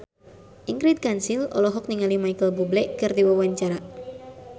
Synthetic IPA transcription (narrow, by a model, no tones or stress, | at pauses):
ʔiŋɡɾid̪̚kansilɔ̰lɔɦɔk̚niŋalimajkəlbublɛʔkɨrdiwawaɲt͡ʃaɾa